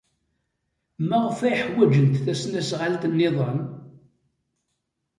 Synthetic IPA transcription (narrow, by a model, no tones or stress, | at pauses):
mæʁəfæjħwæd͡ʒənt̪θæsnæsʁalt̪nːeðˤən